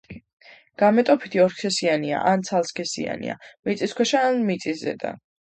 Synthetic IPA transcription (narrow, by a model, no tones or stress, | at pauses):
ɡ̥amɛt̪ʼɔpʰi̥t̪ʰiɔɾkʰɛsiania̰ʔant̪sʰalˠskʰɛsḭa̰nḭa̰mit̪sʼiskʰwɛʃaːnmit̪sʼiszɛ̰d̪a̰